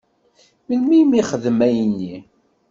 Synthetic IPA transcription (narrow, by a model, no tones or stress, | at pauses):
məlmimiχəðmæjənːi